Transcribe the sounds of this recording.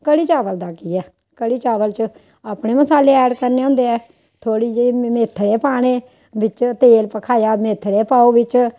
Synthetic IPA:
kəɽiːt͡ʃaːʋəld̪aːkiːɛː | kəɽiːt͡ʃaːʋəlt͡ʃə | aːpɳeːməsaːleːɛːɖkəɾneːɦʊ̃nd̪eːɛː | t̪ʰoːɽiːd͡ʒemeːt̪ʰəɾeːpaːɽ̃eː | ʋɪt͡ʃt̪eːlpəkʰaːjaːmeːt̪ʰəɾeːpaːoːbɪt͡ʃ

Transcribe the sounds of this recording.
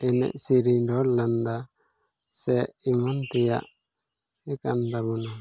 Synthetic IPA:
ɛnɛ̰ʔsiɾidɔland̪a | sɛimant̪ija̰ʔ | ɛkand̪aɡuna

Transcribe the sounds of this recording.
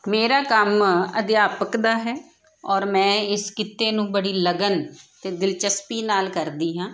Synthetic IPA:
meːɾaːkəməd̪jaːpəkd̪aːɦɛː | ɔːɾmɛ̃ːɪskɪt̪ːeːnũːbəɽiːləɡənt̪eːd̪ɪlt͡ʃəspiːnaːlkəɾd̪iːɦãː

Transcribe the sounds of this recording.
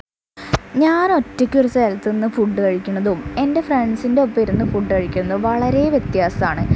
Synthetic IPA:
ɲaːno̞tːɐkʲːuɾɐseːlt̪ːɨnːɨfuɖːɨkɐɻikʲːunːɐðume̞nde̞fraɳsinde̞opːeɾunːɨfuɖːɨkɐɻikʲːunːɐðɨʋɐɭɐɾe̞ʋjet̪jaːsɐmaːɳɨ

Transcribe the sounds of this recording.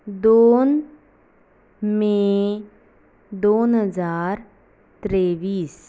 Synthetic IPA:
d̪oːn | mẽ | d̪oːnɦəzaːɾ | t̪ɾeːbiːs

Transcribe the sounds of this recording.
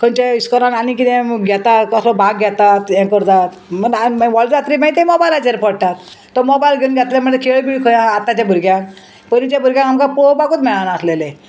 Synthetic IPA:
kʰənt͡ɕeiskɔɾananik̬it̪ẽɡʱɛt̪at̪kɔslɔbʱaɡɡɛt̪at̪jẽkəɾt̪at̪məaʋɔld͡ʑɾat̪ɾimãjt̪emɔbajlat͡seɾpəɽʈ̪at̪ː | ɔmɔbajlɡʱeunɡʱjɛt̪leməʈt̪ekʰeɭbiɭikʰəjãːt̪ːat͡ɕabʱuɾɡjã | pənit͡ɕabʱuɾɡjãkamkapobaɡut̪mɛɭanaːslele

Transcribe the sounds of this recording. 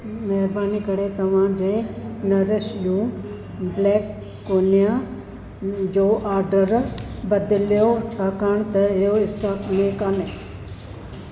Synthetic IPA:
mɐɦɾbaːnikɐɽet̪ɐʋ̤ãd͡ʑeːnɐɾɪʃjũː | bleːkː | oːnija | d͡ʒoːʔaːɾɖəɾbɐd̪ɪljot͡ʃʰaːkaːɳ̃t̪ɐɪjoɪsʈaːkmẽkane

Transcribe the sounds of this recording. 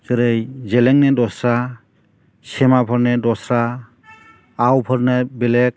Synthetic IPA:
kɯɾejzɛlɛŋnɛdɔsɾa | sɛmapʰɔɾnɛdɔsɾa | wpʰɔɾnebɛlɛk̚

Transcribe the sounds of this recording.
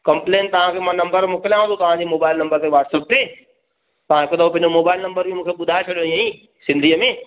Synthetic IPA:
kɐ̃mpleːnt̪ɐʋ̤ãkʰeːmãnɐ̃mbəɾmʊkɪlijãɦũːd̪ot̪ɐʋ̤ãd͡ʑemoːbaːɪlnɐ̃mbəɾt̪eʋaːʈsəp̚t̪eː | t̪ɐʋ̤ãɦɪkot̪ɐopɐ̃ɪ̃ɲd͡ʑomoːbaːɪlnɐ̃mbəɾbʱimũːkʰeɓʊd̪ʱaet͡ɕʰɐɗjoĩãĩ | sɪ̃nd̪ʱiːəmẽ

